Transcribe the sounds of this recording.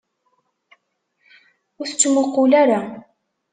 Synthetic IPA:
ʊɾθət͡sːmʊqːʊlæɾa

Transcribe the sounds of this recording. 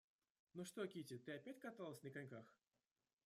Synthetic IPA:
noʂt̪okʲitʲɪt̪ɨɐpʲætʲkɐt̪alˠəsʲnʲəkanʲkax

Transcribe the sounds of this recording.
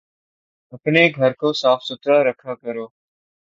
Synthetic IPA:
ɦəknẽːɡʱəɾkʰoːsaːfsʊt̪ɾaːɾəkʰaːkəɾoː

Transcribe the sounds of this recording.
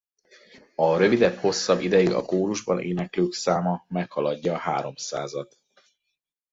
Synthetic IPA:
ɒɾø̞vid̪ɛpho̞sːɒbid̪ɛjiɡɒ̰koːɾuʒbɒnʔḛːnɛkløːksaːmɒmɛkhɒlɒɟːɒːhaːɾo̞msa̰ːzɒt̪

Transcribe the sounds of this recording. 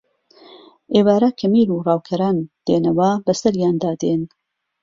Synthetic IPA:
ʔeːwaːɾɐkʰɐmiːɾurɑːwkʰɐɾaːnd̪̥eːnɐwɐbɐsɐɾjaːnd̪aːd̪en

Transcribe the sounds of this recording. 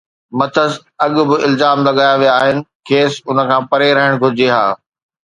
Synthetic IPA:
mɐt̪ʰəz | ɐɠʊ̆bɪʔɪlzaːmlɐɠaːjaʋijaːɦɪnɪ̆kʰeːsʊnə̆kʰãːpɐɾeɾɐɦɪɽ̃ɡʱʊɾɪd͡ʑeɦa̰ː

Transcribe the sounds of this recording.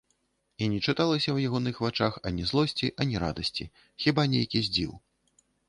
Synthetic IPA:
inʲɛt͡ʂɨt̪alˠɐsʲɐwjaɣɔnɨxvat͡ʂaxɐnʲɛzlˠɔsʲt͡sʲiʔɐnʲɛɾa̰d̪ɐsʲt͡sʲḭ | xʲibanʲejkʲizʲd͡zʲḭw

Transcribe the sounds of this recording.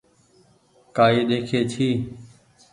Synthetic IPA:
kaːiːɗeːkʰeːt͡ʃʰiː

